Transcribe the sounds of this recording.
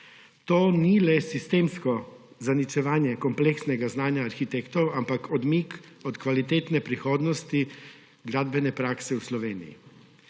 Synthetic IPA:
t̪oːnilɛsist̪eːmskɔ | zanit͡ʃɛʋaːnjɛkɔmpleksnɛɡaznaːnjaːɾxit̪ekt̪ɔwampakʰɔd̪mikɔt̪kʋalit̪eːt̪nɛpɾixoːd̪nɔst̪i | ɡɾaːd̪bɛnɛpɾaːksɛuslɔʋeːnḭjḭ

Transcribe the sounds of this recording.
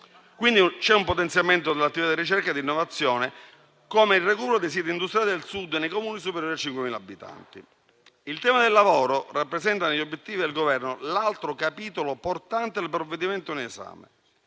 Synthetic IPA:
kwind̪it͡ʃɛumpot̪ensjament̪̬od̪elat̪ːivit̪ad̪irit͡ʃɛrkad̪inːovat̪sːjɔːne | komeilrekuːpeɾod̪es̬id̪ind̪ust̪ɾjalid̪elsud̪ːenːejkomuːnis̬upeɾjoɾat͡ʃiŋkwemiːlabːit̪a̰nt̪i | ilt̪ɛːmad̪elːavoːɾorapːɾesɛnt̪aneʎːobːjet̪ːiːvid̪elɡovɛrnolalt̪ɾokapiːt̪oloport̪ant̪ed̪elpɾovːed̪iment̪onesa̰ːmḛ

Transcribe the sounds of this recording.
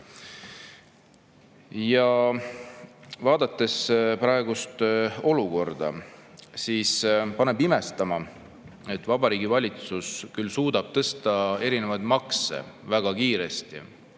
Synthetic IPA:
jɑ | vɑːd̪̥ɑt̪ːˑe̞spɾɑeɡ̥ust̪o̞luko̞rd̪̥ɑ̰siːspɑne̞bime̞st̪ɑmɑ | e̞t̪ːˑvɑb̥ɑɾiːɡ̥ivɑlʲit̪suskylsuːd̪̥ɑb̥̚t̪ɤst̪ɑe̞ɾine̞vɑjd̪̥mɑksḛvæɡ̥ɑkiːɾe̞st̪ḭ

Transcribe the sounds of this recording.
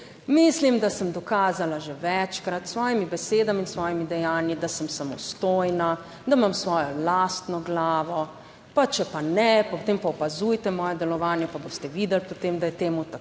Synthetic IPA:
mislimd̪asəmd̪ɔkaːzalaʒeʋɛt͡ʃkɾat̪sʋɔːjimibɛseːd̪aminsʋɔːjimid̪ɛjaːnjid̪asəmsamɔst̪ojna | d̪amamsʋɔːjɔlaːst̪nɔɡlaːʋɔ | pat͡ʃɛpanɛpɔt̪eːmpaɔpazujt̪ɛmɔːjɛd̪ɛlɔʋaːnjɛpaboːst̪ɛʋid̪ɛlpɔt̪eːmd̪ajɛt̪eːmut̪a

